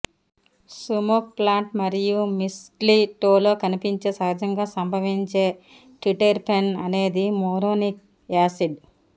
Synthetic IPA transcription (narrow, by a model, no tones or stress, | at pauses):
sumok̚plaːɳʈmɐɾijumisʈliʈoːloːkɐnipiɲt͡ʃeːsɐɦɐd͡ʒɐŋɡaːsɐmbʱɐʋiɲt͡ʃeː | ʈiʈeɾpʰenɐne̞ːd̪imoːɾoːnik̚ | aːsiɖ